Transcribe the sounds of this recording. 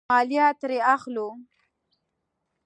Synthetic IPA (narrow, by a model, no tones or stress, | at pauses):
ɑljɑt̪ɾeaxlu